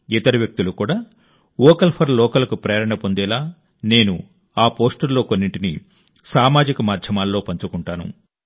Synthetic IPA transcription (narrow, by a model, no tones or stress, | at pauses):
it̪ɐɾiʋjɐk̚t̪ulukuːɽaː | ɔːkɐlpʰɐɾlɔːkɐlɐkupɾeːɐɾɐɳɐpo̞nd̪ɛːlaː | ne̞ːnṵ | aːpo̞ːsʈɐɾlo̞ːkonːiɳʈini | saːmaːd͡ʒikɐmaːd̪ʱjɐmaːlːo̞ːpɐɲt͡ʃukuɳʈaːnṵ